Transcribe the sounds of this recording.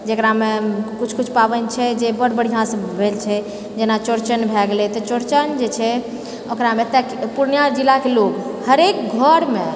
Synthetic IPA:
d͡ʒekɾamekut͡ʃʰkut͡ʃʰpabənt͡ʃʰɛd͡ʒebəɽbəɽ̤ijãsəbʱelt͡ʃʰɛ | d͡ʒenat͡ʃoɾt͡ʃənbʱɛɡelɛt̪ɔt͡ʃoɾt͡ʃənd͡ʒet͡ʃʰɛ | okɾamet̪ɛkpuɾnjaɾd͡ʒilakelokhəɾek̚ɡʱəɾme

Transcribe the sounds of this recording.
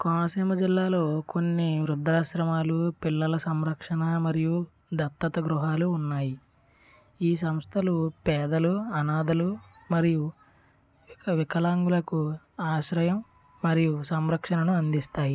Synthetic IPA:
kɔːnɐsiːmɐd͡ʒilːaːlo̞ːkonːiʋɾud̪ɾaːʃɾɐmaːlupilːɐlɐsɐmɾɐkʂɐnɐmɐɾiju | d̪ʱɐt̪ːɐt̪ɐɡɾuɦaːluːnːaːji | iːs̬ɐmst̪ʰɐlupɛːd̪ɐluɐnaːd̪ɐlu | mɐɾiju | ʋkʋikɐlaːŋɡulɐku | aːʃɾɐjɐmː | ɐɾijusɐmɾɐkʂɐnɐnuɐnd̪ist̪aːji

